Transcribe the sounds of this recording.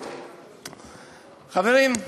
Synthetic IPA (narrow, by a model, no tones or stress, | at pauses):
χaveɾim